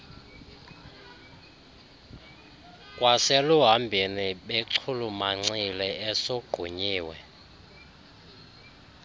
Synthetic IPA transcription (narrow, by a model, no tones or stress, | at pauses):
kʼwasɛluɦambʱiniɓeǀʰulumaŋ͡ǀilɛɛsoɡ͡ǃ̥ʱuɲiːwɛ̰